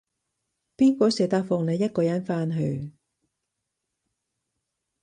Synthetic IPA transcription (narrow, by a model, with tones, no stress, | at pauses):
piː˥nkʷɔː˨˥sɛː˨t̪aː˧k̚fɔː˨ŋle˨˧jɐ˥t̚kɔː˧jɐ˨˥nfaː˥nɦɵ˧ɥ